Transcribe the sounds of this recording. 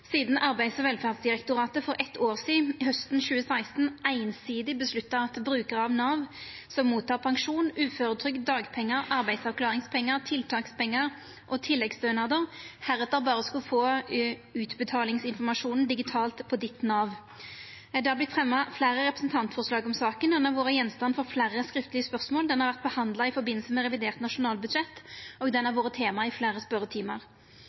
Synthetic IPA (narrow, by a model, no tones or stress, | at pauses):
siːd̪n̩ʔɑɾbæɪd̪sɔʋɛlfæʁd̪sd̪ɪʁɛkt̪ʊʁɑːt̪əfɔɾʔɛt̪ʰːoːʁsiːɦœst̪n̩ɕʉːəsæɪst̪n̩æɪnsiːd̪ɪbəslʉt̪ːɑɑt̪bɾʉːkəʁɑʋnɑːʋsɔmːuːt̪ʰːɑːʁpʰɑŋʃuːnʉːføːɾət̪ʰɾʏk̪̚d̪ɑːɡpʰɛŋːəɾʔɑʁbæɪd̪sɑʁklɑːʁɪŋspʰɛŋːəʁt̪ʰɪlt̪ʰɑːkspɛŋːəʁ | ʔɔt̪ʰɪlːɛɡsd̪øːnɑʁd̪əʁhæʁɛt̪d̪əbɑːʁəskʉfoː | ʉːt̪bət̪ʰɑːlɪŋsɪnfɔmɑʂuːnn̩d̪ɪɡɪt̪ʰɑːlt̪pʰɔd̪ɪt̪nɑʋ | d̪ɛhɑblɪt̪fʁɛmːɑflæːʁəʁɛpɾəsn̩t̪ʰɑnt̪fɔʁʂlɑːɡɔmsɑːkənuɛnɑʋoːɾəjɛnːst̪ɑnfɔʁflæːʁəskɾɪft̪əlɪəspœʁsmoːld̪ɛnhɑʁʋæʁt̪̚bəhɑnd̪lɑɪfɔɾbɪnːlsəmɛʁɛʋɪd̪eːʁt̪nɑʂʊnɑːlbʉd̪ʃɛt̪ːɔːɡd̪ɛnːɑʋoːʁət̪ʰeːmɑɪflæːʁəspœɾət̪ʰiːmɑʁ